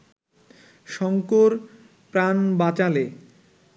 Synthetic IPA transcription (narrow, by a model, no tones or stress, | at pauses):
ʃɔŋkoɾ | pɾanbat͡ɕale